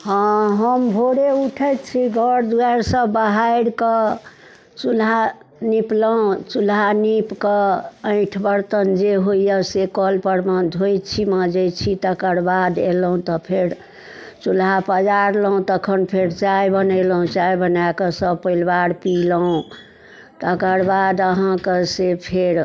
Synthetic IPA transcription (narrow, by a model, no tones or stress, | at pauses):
hə̃ɦəmbʱoɽeuʈʰəjt̪t͡ʃʰiɡʱəɽd̪uaɾsə̃bəɦaɽkə | t͡ʃulɦa | nipləũt͡ʃulɦanipkəə̃ɪ̃ʈʰbəɾt̪ənd͡ʒeɦoijəsekɔlpəɾməd̪ʱojt͡ʃʰiməd͡ʒət͡ʃʰit̪əkəɾbad̪elɦũt̪ɔpʰeɾ | t͡ʃulɦapəd͡ʒaɾləũt̪əkʰənpʰeɾt͡ʃajbənəjləɦũt͡ʃajbənakesəbpəilbaɾpiləɦũ | t̪əkəɾbad̪əɦãkesepʰeɾ